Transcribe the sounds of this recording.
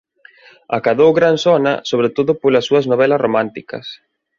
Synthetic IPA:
akaðowɣɾansɔnɐ̰soβɾet̪oðʊpolɐsːuɐznoβɛlɐsromãnt̪ikɐ̰s

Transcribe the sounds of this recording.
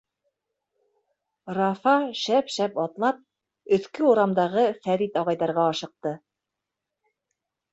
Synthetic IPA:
rɑfɑʃæpʃæpɑt̪lˠɑp̚ | ɵ̆θkɘuɾɑmd̪ɑʁɤfæɾit̪ɑʁɑjðɑɾʁɑːʃɤ̆q̚t̪ɤ

